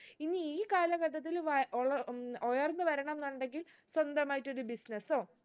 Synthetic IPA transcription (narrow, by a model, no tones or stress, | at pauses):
inːiiːkaːlɐɣɐʈːɐt̪̬ːilʋɐoɭɐojɐrnːɨʋɐɾɐɳɐmenɐɳɖe̞ŋɡil | swɐnd̪ɐmaːjiʈːo̞ɾubisnɐso̞ː